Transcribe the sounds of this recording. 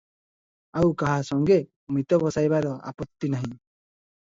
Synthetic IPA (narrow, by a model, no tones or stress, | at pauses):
awkaɦasɔŋɡe | mit̪ɔbɔsajbaɾɔa̰pɔt̪ːinaɦĩ